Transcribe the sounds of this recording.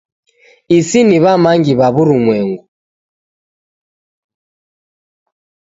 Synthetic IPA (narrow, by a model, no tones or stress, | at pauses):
isiniβamaŋɡiβaβuɾumwɛŋɡu